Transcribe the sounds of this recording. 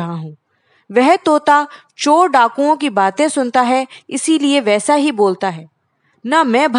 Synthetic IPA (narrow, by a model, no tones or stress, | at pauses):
ɦaɦũː | ʋɛɦt̪oːt̪a | t͡ʃoːɖaːkõõk̬ibaːt̪ẽsʊnt̪aɦɛɪsilieʋɛːsaɦiboːlt̪aɦɛː | namɛ̃ːbʱ